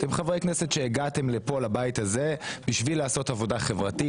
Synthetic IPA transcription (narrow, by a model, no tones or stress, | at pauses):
t̪emχavʁejkneset̪ʃeːɡat̪e̞mlepo̞labajit̪aze̞biʃvilaːso̞tavo̞daχe̞vʁat̪i